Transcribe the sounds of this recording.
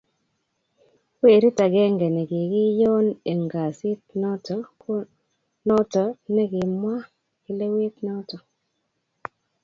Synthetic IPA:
we˨ɾi˦ta˨ɡɛ˦ŋɡɛ˨nɛ˨ɡɪ˨ɡɪ˦jɔ˦ne˨ŋɡa˨sɪ˦t̚nɔ˦tɔ˨k | nɔ˦tɔ˨nɛ˦ɡɪ˨mwa˦ | kɪ˦le˦we˦t̪nɔ˦tɔ˨

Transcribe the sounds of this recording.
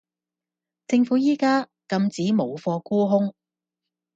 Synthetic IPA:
t͡sɪ˧ŋfuː˨˥jiː˥kaː˥ | kɐ˧mt͡siː˨˥mo˨˩wfɔː˧kuː˥ɦʊ˥ŋ

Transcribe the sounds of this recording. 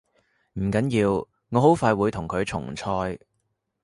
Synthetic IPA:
m̩˨˩kɐ˨˥njiː˧w | ŋɔː˨˧ɦo˨˥wfaː˧jwuː˨˧jt̪ʰʊ˨˩ŋkʰɵ˨˧ɥt͡ʃʰʊ̰˨˩ŋt͡sʰɔː˧j

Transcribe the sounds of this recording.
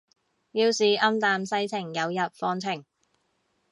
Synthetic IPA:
jiː˧wsiː˨ʔɐ˥mt̪aː˧msɐ˥jt͡sʰɪ˨˩ŋjɐ˨˧wjɐ˨p̚fɔː˧ŋt͡sʰɪ˨˩ŋ

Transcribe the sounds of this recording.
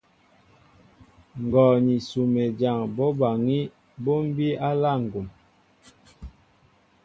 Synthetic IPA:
ŋ˨ɡɔ˨ɲi˨su˨me˨d͡ʒa˨ŋbɔ˦ba˨ŋi˦ | bo˦m̩˦bi˦a˦la˦˨ŋ̩˨ɡu˨m

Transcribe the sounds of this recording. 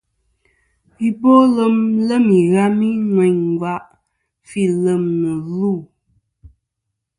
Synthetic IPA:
i˦bo˦lə˦mlə˦mi˨ɣa˦mi˦ŋwɛ˨ɲŋ˨ɡwa˦ʔ | fi˦lə˨mnə˨lu˦˨

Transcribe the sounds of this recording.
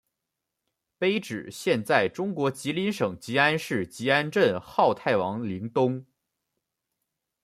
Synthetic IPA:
pe˥ɪʈ͡ʂɻ̩˨˩ɕjɛ˥˧nt͡sa˥˩ɪʈ͡ʂʊ˥ŋkwɔ˧˥t͡ɕi˧˥li˧˥nʂɤ˨˩ŋt͡ɕi˧˥a˥nʂɻ̩˥˩t͡ɕi˧˥a˥nʈ͡ʂə˥˧nxɑ˥˧ʊt̪ʰa˥˩ɪwɑ˧˥ŋli˧˥ŋt̪ʊ˥ŋ

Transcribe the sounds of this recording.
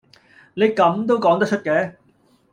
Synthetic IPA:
ne˨˧jkɐ˨˧mt̪̬o˥wkɔː˨˥ŋt̪ɐ˥kt͡ʃʰt̚kɛː˨˥

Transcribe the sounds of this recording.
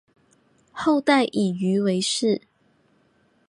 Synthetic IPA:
xo˥˧ʊt̪a˥˨˩ɪʔi˨˩y˧˥we˧˥ɪʂɻ̩˥˨

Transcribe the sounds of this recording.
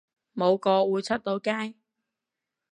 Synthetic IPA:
mo˨˧wkɔː˧wuː˨˧jt͡sʰɐ˥t̚t̪o˨˧wkaː˥j

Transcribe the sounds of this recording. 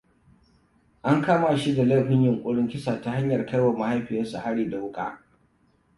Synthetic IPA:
ʔa˦ŋkaː˦ma˨ʃi˦da˨la˦˨ɸɪ˦ɲjʊ˨ŋkʷʼʊ˦ɽɪ˦ŋkʲɪ˦saː˨ta˦ha˦ɲjɐ˨rkɐ˦jwa˨mʊ˨ha˦jɸɪ˨jɪ˦nsu˨ha˦ɽiː˦da˨wʊ˦kʼa̰ː˦

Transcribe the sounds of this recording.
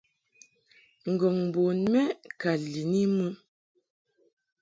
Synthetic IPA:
ŋ̩˨ɡɔ˨ŋ˨bɔ˨nmɛ˦ka˨li˨ni˦mu˦n

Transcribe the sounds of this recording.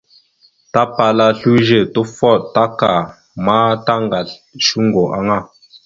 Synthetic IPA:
ta˦pa˨la˦ɬu˦ʒe˦˨to˦fɔ˦˨ʔta˦ka˨ | maː˦ta˦ŋɡa˨ʃu˦ŋ˦ɡo˨ʔa˦ŋa˦˨

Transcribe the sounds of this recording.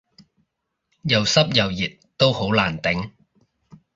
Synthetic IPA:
jɐ˨wsɐ˥p̚jɐ˨wjiː˨t̚t̪o˥who˨˥wlaː˨˩nt̪ɪ˨˥ŋ

